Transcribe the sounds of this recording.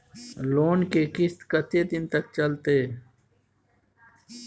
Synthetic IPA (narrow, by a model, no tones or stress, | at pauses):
loːnkeːkɪst̪kət̪ʰeːd̪ɪnt̪ək̚t͡ʃɐlt̪eː